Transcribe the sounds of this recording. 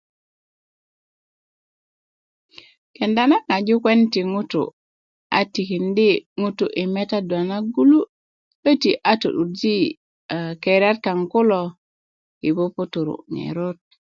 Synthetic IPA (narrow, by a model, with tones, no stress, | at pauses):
kenda˦na˦ŋa˨d͡ʒu˦kwe˦ntiŋu˦tṵ | a̰˨ti˨ki˨ndi˦ŋu˦tṵ˨ʔi˨me˦ta˦dwa˨na˦ɡu˦lu˦ | ə˦tiʔa˦tṵ˨ɗu˨ɾd͡ʒi˦ | keɾa˦ɾka˨ŋku˦lo | i˨bo˦pu˦tu˨ɾṵŋḛɾo˦t̚